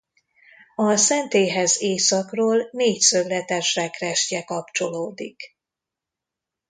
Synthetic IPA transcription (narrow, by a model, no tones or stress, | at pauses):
ɒsɛnt̪eːɦɛzeːsɒkroːlneːcsøvlɛt̪ɛʃrɛkrɛʃcɛkɒpt͡ʃo̞loːd̪ik